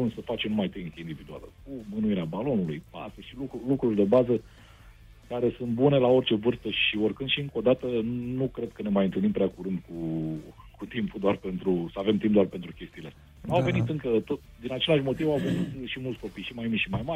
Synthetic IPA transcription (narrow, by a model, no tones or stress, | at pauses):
unsəfat͡ʃemnumajt̪eiŋkeind̪ivid̪ua̰lə̰umɨnuiɾeabalo̞nulujpa̰st̪əʃilukulukɾurʲd̪e̞bazə | kaɾe̞sunt̪̚bune̞lao̞rt͡ʃe̞vɨrst̪əʃiorkɨnʃiɨŋko̞d̪at̪ənukɾe̞d̪̚kəne̞majɨnt̪ɨlnimpɾʲeakuɾɨnd̪ku | kut̪impud̪oarpe̞nt̪ɾusəave̞mt̪imp̚d̪oarpent̪ɾukʲe̞st̪iːle̞ | awve̞nit̪ɨŋkət̪ot | d̪inat͡ʃe̞leaʃmo̞t̪ivawvenit̪ʃimult̪sʲko̞pijʃimajmiʃimajma